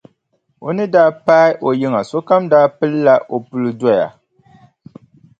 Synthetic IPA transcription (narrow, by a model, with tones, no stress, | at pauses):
o˨nɨ˦daː˦paː˦ɪ˦ʔo˨jɪ˦ŋa˨so˦ka˦mdaː˦pɨ˦lːa˦ʔo˨pu˦lɨ˦da˦ja̰˨